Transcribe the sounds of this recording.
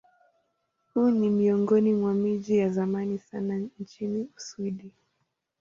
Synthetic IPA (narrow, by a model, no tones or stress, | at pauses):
hunimiɔŋɡɔnimwamiʄijazamanisanant͡ʃiniusuiɗi